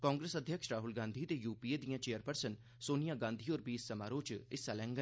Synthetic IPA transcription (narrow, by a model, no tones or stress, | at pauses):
kaːŋɡɾeːsəd̪ʱjəkʃɾaːɦʊlɡãːnd̪ʱiːt̪eːjuːpiːed̪ijãːt͡ʃeːəɾpəɾsən | soːnijãːɡãːnd̪ʱiːoːɾbiːsːəmaːɾõːt͡ʃɪsalɛ̃ːŋɡə